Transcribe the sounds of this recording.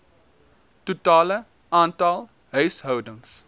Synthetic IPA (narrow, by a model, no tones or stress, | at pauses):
tutɑːlə | ʔɑːntɐlˠ | ɦœɥsɦœwdəŋs